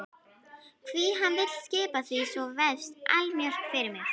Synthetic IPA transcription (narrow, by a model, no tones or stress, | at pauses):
kʰviɦanvɪllscɪːpaθvisvɔvɛðst̪a̰lmjœr̥kfɪɾɪɾmɪx